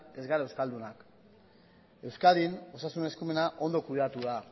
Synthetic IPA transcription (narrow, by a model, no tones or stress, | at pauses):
e̞zɣaɾaewskald̪unak | e̞wskaðino̞sasunne̞skume̞naʔo̞nd̪o̞kuiðeat̪uða